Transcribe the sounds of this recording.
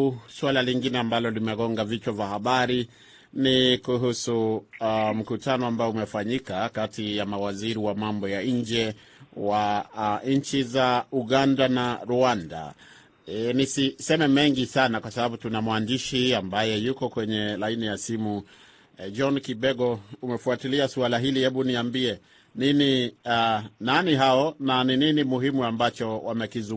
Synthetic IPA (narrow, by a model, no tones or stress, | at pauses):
swalaliŋɡinɛambalɔlimɛɣɔŋɡavit͡ʃavahaɓaɾi | nikuɦusu | m̩kutanɔambaɔumɛfaɲikakatijamawaziɾiwamambɔjaɲɲd͡ʒɛ | waɲt͡ʃizauɠandanaɾuanda̰ | ɛnisisɛmɛmɛŋɡisanakwasaɓaɓutunamwandiʃiambajɛjukɔkwɛɲɛlainijasimu | d͡ʒɔnkiɓɛɡɔumɛfuatiliasualaɦilihɛɓuniambiɛ | nini | naniɦaɔnanininimuɦimuambat͡ʃɔwamɛkizu